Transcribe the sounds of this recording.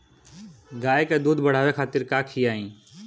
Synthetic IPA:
ɡaːeked̪uːd̪bəɽ̤aːʋekʰaːt̪ɪɾkaːkʰiaːĩː

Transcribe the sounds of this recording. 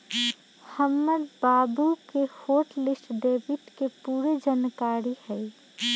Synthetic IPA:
həmːəd̪baːbukehoːʈlɪsʈɖeːbɪʈkepuːɾed͡ʒənkaːɾihɛi

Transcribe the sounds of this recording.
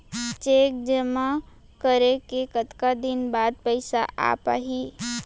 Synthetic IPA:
t͡ʃeːk̚d͡ʒəma | kəɾekekət̪kad̪ɪnbaːd̪̚pəɪsa̰ʔa̰ːpa̰ːɦiː

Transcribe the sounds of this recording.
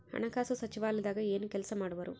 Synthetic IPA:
hɐ̰nɐkaːsusɐt͡ʃiʋaːlid̪aːɡaeːnikɛlsɐmaːɽɐʋɐɾṵ

